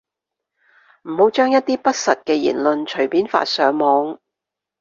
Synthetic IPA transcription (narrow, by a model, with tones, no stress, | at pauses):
m̩˨˩ho˨˧wt͡ʃœː˥ŋjɐ˥t̚t̪iː˥pɐ˥t̚sɐ˨t̚kɛː˧jḭː˨˩nlɵ˧nt͡ʃʰɵ˨˩ɥpiː˨˥nfa̰ː˧t̚sœː˨˥ŋmɔː˨˧ŋ